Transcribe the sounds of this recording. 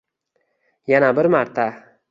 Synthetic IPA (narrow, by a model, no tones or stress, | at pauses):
janabɪɾmaɾt̪ʰa